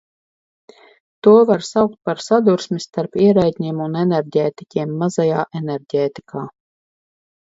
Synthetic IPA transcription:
t̪uɔvaɾsawk̚t̪̚paɾsad̪uɾsmist̪aɾpiɛɾajt̪ʲɲiɛmunɛnɛɾɟʲɛːt̪ikʲiɛmːazajaːʔenɛɾɟʲɛːt̪i̥kʰaː

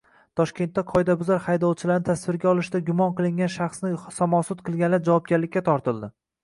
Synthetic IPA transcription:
t̪ʰɒʃkʲe̞nt̪ːaqʰɒjd̪abʊzaɾhajd̪ɒlˠt͡ʃʰɪlaɾnɪt̪ʰasvɪɾɡʲaɒlˠɪʃd̪aɡʲʊmɒnqɨlˠɪŋɡʲanʃɑχsnɪsɒmɒsʊt̪qʰɨlˠɡʲanlaɾd͡ʒavɒp̚ɡʲaɾlɪkʲːat̪ʰɒɾt̪ʰɪlˠd̪ɪ

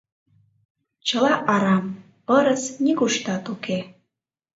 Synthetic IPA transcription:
t͡ɕəlɑʔɑɾɑm | pəɾəsnikuʃt̪ɑt̪uke

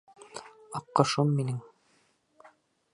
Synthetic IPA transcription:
ɑqːɤ̆ʃɤmːinɘŋ

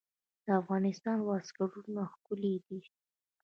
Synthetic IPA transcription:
d̪̥əafɣɑnɪst̪ɑnwɑskaɽunaxkuled̪i

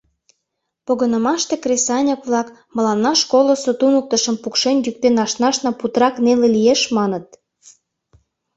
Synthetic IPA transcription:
poɣənə̆mɑʃt̪ekresɑnʲəkβlɑk | mə̆lɑnːɑʃkolosot̪unuk̚t̪ə̆ʃə̆mpukʃenʲjyk̚t̪enɑʃnɑʃnɑput̪ɾɑknelelijeʃmɑnə̆t̪̚

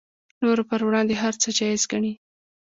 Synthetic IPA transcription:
noɾopəɾwɽɑnd̪eɦaɾt͡səd͡ʒɑjɪzɡaɳi

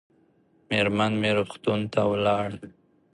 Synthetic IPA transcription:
meɾmanmeɾʊχt̪unt̪awlɑɽ

